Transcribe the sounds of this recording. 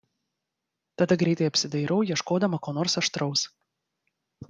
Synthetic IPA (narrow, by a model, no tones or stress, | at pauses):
t̪ɐd̪ɐɡɾʲɛɪt̪ɐɪɐpʲsʲɪd̪ɐɪɾɐʊjiɛʃkoːd̪ɐmɐkoːnoːɾsɐʃt̪ɾɐʊs